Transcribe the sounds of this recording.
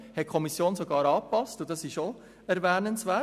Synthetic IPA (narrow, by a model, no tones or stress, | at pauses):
hɛt̚kʰɔmisjoːnsɔɡɑːɾɑːpɑstʊdɑsɪʃo | ɛɾvɛːnənsʋɛ